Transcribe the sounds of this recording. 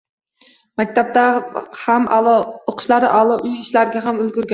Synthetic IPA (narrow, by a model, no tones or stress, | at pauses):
mæk̚ʲt̪ʰap̚t̪æhæmoqʰʃlˠɑɾɨ̰ʔɑlˠɑʔyjiʃlæɾɪɡʲɛɦamylɡʲyɾɡʲa